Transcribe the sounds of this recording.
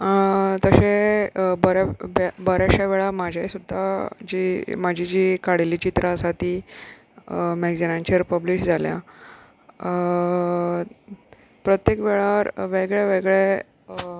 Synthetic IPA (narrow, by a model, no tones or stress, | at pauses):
t̪əɕebəɾabbəɾaɕaʋeɭamad͡ʑʱjaisud̪ʱːad͡ʑimad͡ʑʱid͡ʑiːkaɽilit͡ɕit̪ɾʔasat̪iː | mɛɡd͡zenãnt͡ɕəɾpəbliɕd͡zʱalja̰ | pɾət̪jekʋeɭaɾʋeɡɭaʋeɡɭe